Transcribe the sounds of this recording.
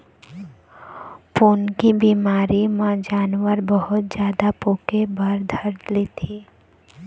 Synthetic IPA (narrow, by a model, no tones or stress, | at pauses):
poːnkibiːmaːɾimãd͡ʒaːnwəɾbəɦʊt̪̚d͡ʒjaːd̪apoːkebəɾd̪ʱəɾlet̪ʰiː